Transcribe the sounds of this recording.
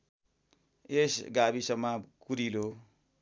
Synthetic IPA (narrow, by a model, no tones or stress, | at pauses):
esɡabisʌŋmːakuɾilo